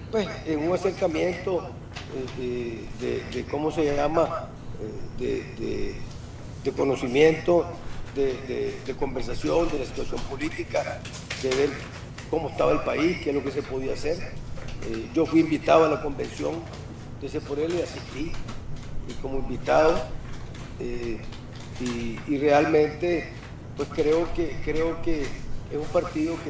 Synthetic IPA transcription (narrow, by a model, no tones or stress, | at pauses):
pweseŋuŋase̞ɾkamje̞nt̪o | eed̪ḛd̪ekomoseʝaama | ed̪ḛd̪ḛ | d̪eko̞no̞simje̞nt̪od̪ed̪ed̪eko̞mbe̞ɾsasjo̞nd̪e̞lasi̥t̪wasjo̞mpo̞lit̪ika | d̪eβeɾ | komoest̪aβaelpaiskehloke̞s̬e̞po̞ðiaaseɾed͡ʒo̞fwiːmbit̪aðoalako̞mbe̞nsjo̞̰n | d̪esepoɾeleasiht̪i | iko̞moimbit̪aðo | e | iːre̞almẽ̞nt̪e̞ | pwe̞skɾe̞okekɾeokeesumpaɾt̪iðo̞ke